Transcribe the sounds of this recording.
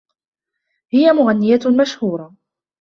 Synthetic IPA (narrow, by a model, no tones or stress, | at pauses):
hɪjamʊɣanːɪjamaʃhuːɾˤɑ